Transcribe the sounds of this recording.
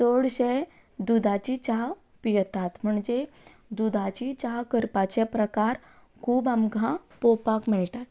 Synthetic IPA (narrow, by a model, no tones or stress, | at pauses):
soɽɕe | d̪ud̪ʱat͡ɕit͡ɕaʋ | pijt̪at̪m̤uɳd͡ze | d̪ud̪ʱat͡ɕit͡ɕawkəɾpat͡ɕɛpɾəkaɾ | kʰuːbamkãpopakmiɭʈat̪